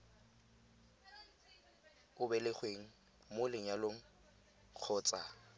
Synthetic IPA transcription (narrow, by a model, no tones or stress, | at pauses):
ʊbɛlɪχweŋ̩ | molɪŋ̩jaloŋ̩ | q͡χʰɔːt͡sʼa